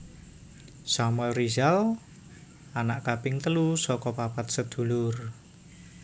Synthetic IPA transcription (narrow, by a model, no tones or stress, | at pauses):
samwɛlrizal | anaʔkapɪŋt̪əlusɔkɔpapat̪̚səd̪̥ṳlʊr